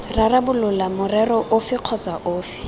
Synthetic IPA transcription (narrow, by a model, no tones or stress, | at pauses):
rarabʊlʊlamʊrɛrɔʔʊfɪq͡χʰɔt͡saʔoːfɪ̥